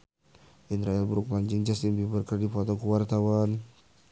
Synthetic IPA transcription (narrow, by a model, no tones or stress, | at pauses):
ʔinɾaalbɾuk̚maɲd͡ʒɪŋd͡ʒast̪inbibərkərdifɔt̪ɔkuwart̪awan